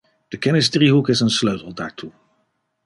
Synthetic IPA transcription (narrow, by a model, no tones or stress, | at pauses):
d̥əkɛnɪstriɦukɪsənsløɥtl̩ˠda̰ːɹtʰu